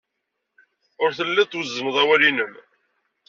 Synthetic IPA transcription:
ʊɾθəlːæt̪ːwəzːəməðˤæwælinəm

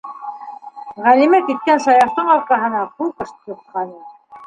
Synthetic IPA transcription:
ʁælimækit̪̚kænsɑjɑɾt̪ɤɴɑɾkɑɦɤ̆nɑpukɤʃt̪jŭt̪̚qɑnɤ

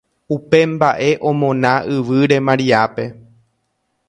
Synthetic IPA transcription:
upe̞mbaʔe̞ʔõ̞mõ̞nãʔɨʋɨɾe̞mãɾiape̞

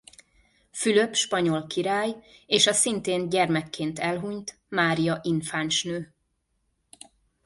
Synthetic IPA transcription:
fyløpʃpɒɲo̞lkiɾaːjeːʃɒsint̪eːnɟɛrmɛkːeːnt̪ɛlɦuɲt̪ | maːɾijɒʔinfaːnʃnøː

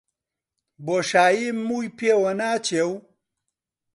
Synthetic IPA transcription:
boʂaːjimːujpewɐnaːt͡ɕew

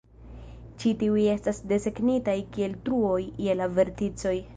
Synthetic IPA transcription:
t͡ʃitiuje̞stasde̞se̞knitajkie̞ltɾuo̞jje̞lave̞ɾtit͡so̞j

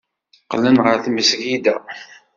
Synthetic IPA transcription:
qːlənʁəɾθməsʝid̪æ

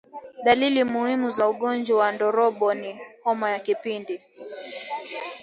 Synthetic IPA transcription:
ɗalilimuhimuzauɠɔnd͡ʒawandɔɾɔɓɔnihɔmɔjakipindi

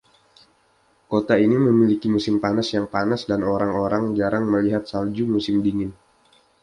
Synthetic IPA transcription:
kot̪ainiməmilikimusɪmpanasjaŋpanasdanoɾaŋoɾaŋd͡ʒaɾaŋməliɦat̪̚sald͡ʒumusɪmdiŋɪn

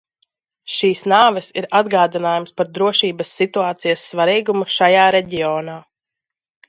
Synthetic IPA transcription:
ʃiːsnaːvɛsiɾad̪ɡaːd̪inaːjumspaɾd̪ɾuɔʃiːbɐsːit̪uaːt̪sijasːvaɾiːɡumuʃajaːɾɛɟiɔːnaː

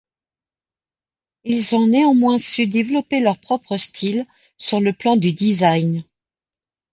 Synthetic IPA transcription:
ilzɔ̃neɑ̃mwɛ̃syd̪evlɔpelœʁpχɔpχəst̪ʰil | syʁləplɑ̃d̪yd̪izajn

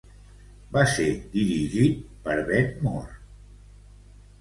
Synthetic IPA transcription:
based̪iɾiʒit̪̚pəɾβɛd̪mɔr

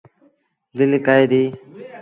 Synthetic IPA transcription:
d̪ɪlɪkaːjd̪iː

